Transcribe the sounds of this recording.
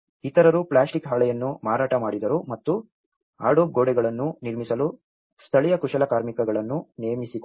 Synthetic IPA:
it̪ɐɾɐɾupɭaːsʈikɦaːlɛjɐnːumaːɾaːʈɐmaːɽid̪ɐɾumɐt̪ːu | a̰ːɽoːp̚ɡoːɽɛɡɐɭɐnːuniɾmisɐlu | st̪ʰɐɭɛjɐkuʂɐlɐkaːɾmikɐɡɐɭɐnːunejɐmisik

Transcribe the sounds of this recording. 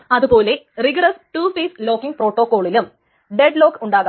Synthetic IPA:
ɐðupo̞ːle̞riɡɾɐsʈuːfiːslo̞ːkːiŋɡpro̞ːʈːo̞ːkːo̞ːɭilum | ɖeɖlo̞ːkːuɳɖaːɣa

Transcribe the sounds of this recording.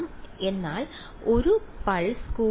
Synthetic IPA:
ɐme̞nːaːɭ | o̞ɾupɐɻskuː

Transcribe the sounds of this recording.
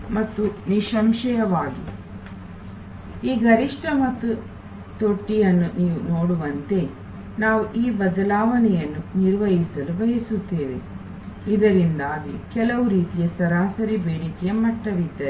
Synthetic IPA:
mɐt̪ːuniʃɐmʃɐjɐʋaːɡḭ | iːɡɐɾiʂʈʰɐmɐt̪ːu | t̪o̞ʈːijɐnːuniːʋunoːɽuʋɐnt̪e̞ | naːʋuʔiːbɐd̪ɐlaːʋɐnɛjɐnːuniɾʋɐɦisɐlubɐɦisut̪ːeːʋḛ | id̪ɐɾind̪aːɡikɛlɐʋuɾiːt̪ijɐsɐɾaːsɐɾibeːɽikɛjɐmɐʈːɐʋid̪ːɐ

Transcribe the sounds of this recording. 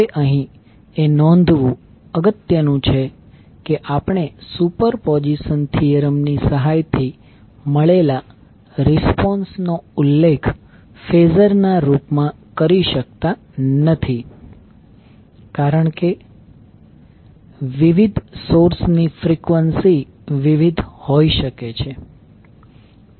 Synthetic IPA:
eʔəɦĩ | enɔ̃nd̪ʱʋũ | əɡət̪jənũt͡ʃʰe | keʔapəɳ̃esupəɾpɔd͡ʒisənt̪ʰijəɾəmnisəɦajt̪ʰi | məɭela | ɾɪspɔnsnoulːekʰ | fezəɾnaɾupmã | kəɾiʃək̚t̪a | nət̪ʰi | kaɾəɳke | ʋiʋid̪ʱsoɾsnifɾikʋənsi | ʋiʋid̪ʱhoiʃəket͡ʃʰe

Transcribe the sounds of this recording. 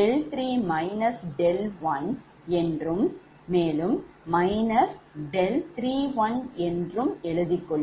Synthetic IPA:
ɛlt̪ɾiːmɐɪnɐsɖɛlʋɐn | ɛndrɯmː | eːlɯmːɐɪnɐsɖɛlt̪ɾiːʋɐnɛndrɯmɛɻɯðɪkːɔɭː

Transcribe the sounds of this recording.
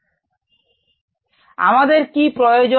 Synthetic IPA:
a̰mad̪eɾkipɾojod͡ʑo

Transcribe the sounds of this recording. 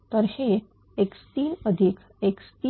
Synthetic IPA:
t̪əɾhe | ekst̪iːnəd̪ʱik | ekst̪i

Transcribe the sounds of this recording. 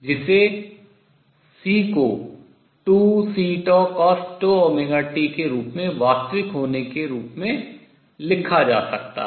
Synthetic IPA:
d͡ʒɪse | siːko | ʈuːsiːʈɔkɔːsʈoɔːmɪɡaːʈikeɾuːpmẽʋaːst̪ɾɪkɦoːnekeɾuːpmẽ | lɪkʰad͡ʒa̰ːsɐk̚t̪a̰

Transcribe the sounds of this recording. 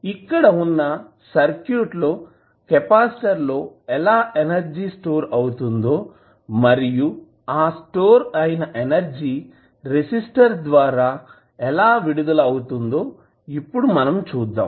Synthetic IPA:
ikːɐɽɐunːɐ | sɐɾkjuːʈlo̞ː | kepaːsʈɐɾlo̞ːɛlaːʔenɐɾd͡ʒiːsʈo̞ːɾɐwut̪und̪o̞ː | mɐɾiju | aːsʈo̞ːɾɐjinɐʔenɐɾd͡ʒiː | ɾisisʈɐɾd̪ʋaːɾaː | ɛlaːʋiɽud̪ɐlɐwut̪und̪o̞ː | ipːuɽumɐnɐmt͡ʃuːd̪ːa̰ːm

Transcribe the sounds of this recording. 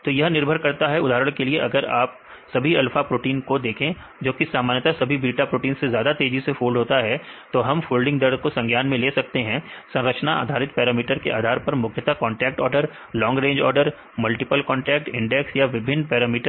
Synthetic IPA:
t̪oːjɐɦnɪɾbʱəɾkɐɾt̪aɦɛʊd̪ʱaːɾəɽ̃kelieʔɐɡəɾaːp̚ | sɐbʱiɛlfʰapɾoːʈiːnkod̪eːkʰẽ | d͡ʒoːkisaːmaːnjət̪asɐbʱibɾiːʈapɾoːʈiːnsezjaːd̪at̪eːd͡ʒisefoːlɖʱɦoːt̪aɦɛt̪oɦɐmfoːlɖɪ̃ŋɡd̪ɐɾd̪̚ʱkosɐ̃ŋɡʱjaːnmẽleːsɐk̚t̪eɦɛ̃sɐ̃ɾət͡ʃʰnaa̰ːd̪ʱaːɾɪt̪̚pɛːɾaːmiːʈəɾkeʔa̰ːd̪ʱaːɾpɐɾmʊkʰjət̪akɔ̃ːɳʈɛːk̚ʈɔːɾɖəɾ | lɔ̃ːŋɡɾẽːɲd͡ʒɔːɾɖəɾ | mɐlʈɪpəlkɔ̃ːɳʈɛːk̚ʈɪ̰̃ɳɖɛksjaʋɪbʱɪnːpɛːɾaːmiːʈəɾ

